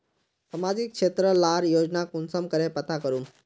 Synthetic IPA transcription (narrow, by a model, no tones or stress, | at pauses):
sɐmaːd͡ʑɪk̚ʃeːt̪ɾəlaːɾjoːd͡ʒnakʊnsəmkəɾepɐt̪akəɾũː